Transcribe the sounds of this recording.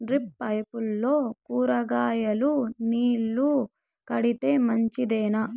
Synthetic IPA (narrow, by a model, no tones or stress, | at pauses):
ɖɾipːɐjpulːo̞ːkuːɾɐɡaːjɐluniːlːu | kɐɽit̪e̞ːmɐɲt͡ʃid̪ɛːnɐ